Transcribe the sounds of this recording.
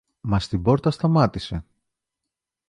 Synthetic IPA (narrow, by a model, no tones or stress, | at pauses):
mɐst̪ibo̞ɾt̪ɐst̪ɐmɐt̪ise̞